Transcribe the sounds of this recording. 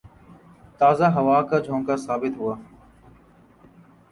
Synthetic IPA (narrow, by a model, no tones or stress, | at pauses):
t̪aːzaːɦəʋaːkaːd͡ʒʱõːŋkaːsaːbɪt̪ɦʊaː